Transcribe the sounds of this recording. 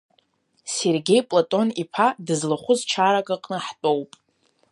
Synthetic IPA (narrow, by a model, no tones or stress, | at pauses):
se̞rɡʲe̞jpʼlatʼo̞nipʰadɨzlaχʷʊzt͡ʃʰaɾakʼaqʼnɨħtʼo̞wpʼ